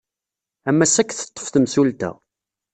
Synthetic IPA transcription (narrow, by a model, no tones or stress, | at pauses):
æmːæsækːθə̥t̪ˤːə̥fθəmsult̪æ̰